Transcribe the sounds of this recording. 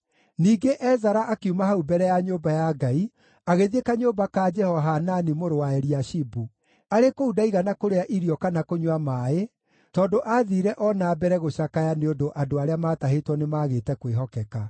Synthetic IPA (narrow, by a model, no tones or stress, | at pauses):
niːɡeʔɛzaɾaʔakeumahaubɛɾɛjaɲoːbajaɡai | aɣeðiekaɲoːbakad͡ʒɛhɔɦananimoɾowaɛɾiaʃibu | aɾekoudaiɣanakoɾeaʔiɾiɔkanakoɲwamae | tɔːdoʔaðiɾɛʔɔnaːbɛɾɛɣoɕakajaneondoʔadoaɾeamaːtaɦetwɔnemaːɣetɛkweɦɔkɛka